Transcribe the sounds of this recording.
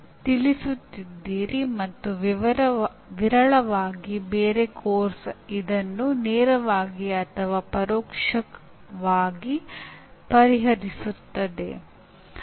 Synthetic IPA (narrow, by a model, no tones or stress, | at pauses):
t̪ilisut̪ːid̪ːiːɾimɐt̪ːuʋ | ʋiɾɐɭɐʋaːɡibeːɾe̞kʰoːɾsɐid̪ɐnːuneːɾɐʋaːɡiɐt̪ʰɐʋaːpɐɾɔːkʂɐk | ʋaːɡipɐɾiɦɐɾisut̪ːɐd̪e̞̰